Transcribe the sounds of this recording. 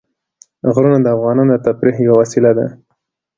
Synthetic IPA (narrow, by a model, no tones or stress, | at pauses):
ɣɾunad̪əafɣɑnɑnod̪ət̪apɾiɦjawawasɪlad̪a̰